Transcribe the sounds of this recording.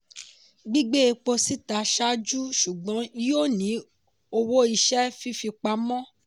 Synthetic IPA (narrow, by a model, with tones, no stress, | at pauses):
ɡ͡bi˦ɡ͡be˦e˧k͡po˧si˦ta˧ʃa˦d͡ʒu˦ʃu˨ɡ͡bɔ̃˨˦jo˦˨nĩ˨˦ | o˧wo˦i˧ʃɛ˦fi˦fi˧k͡pa˧˦mɔ̃˦